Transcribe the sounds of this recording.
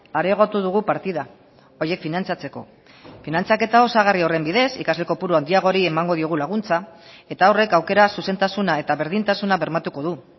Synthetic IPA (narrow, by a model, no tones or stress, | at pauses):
aɾeːɣ̞o̞t̪uðuɣ̞upaɾt̪iða | o̞je̞kfinant͡sat͡se̞ko̞̰ | finant͡sake̞t̪ao̞saɣ̞ario̞re̞mbiðe̞sikazle̞ko̞puɾuand̪iaɣ̞o̞ɾiemaŋɡo̞ð̞io̞ɣ̞ulaɣ̞unt͡sa | e̞t̪aore̞kawke̞ɾasuse̞nt̪asunae̞t̪aβe̞ɾðint̪asunaβe̞ɾmat̪uko̞ðu